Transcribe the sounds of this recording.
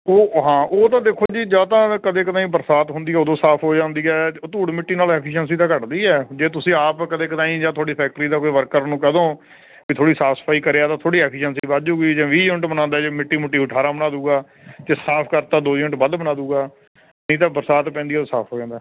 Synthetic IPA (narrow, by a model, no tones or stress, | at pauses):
oːɦãːʔoːt̪ãːd̪eːkʰoːd͡ʒiːd͡ʒãːt̪ãːkəd̪ẽːkət̪ãːĩbəɾsaːt̪ɦʊnd̪iːɛːod̪õːsaːpʰɦoːd͡ʒãːnd̪iːɛːt̪uːɽmɪʈːiːnaːlɛːkʰiʃənsiːt̪ãːkəʈd̪iːɛːd͡ʒeːt̪ʊsĩːaːpkəd̪ẽːkət̪ãːĩːd͡ʒãːt̪ʰoːɽiːpʰɛːk̚ʈɾiːd̪aːkoiːʋəɾkəɾnũːkəd̪õː | iːt̪ʰoːɽiːsaːsə̥pʰaːiːkəɾeːaːt̪ãːt̪ʰoːɽiːɛːkʰiʃənsiːbaːd͡ʒuːɡiːd͡ʒãːʋiːd͡ʒʊɳʈbənãːnd̪aːd͡ʒeːmɪʈːiːmʊʈːiːʊʈʰaːɾãːbənaːd̪uːɡaː | t̪eːsaːpʰkəɾt̪aːd̪oːd͡ʒɪʈbəd̪bənaːd̪uːɡaː | nĩːt̪̬ãːbəɾsaːt̪pɛ̃ːnd̪iːɛod̪õːsaːpʰɦoːd͡ʒãːnd̪aː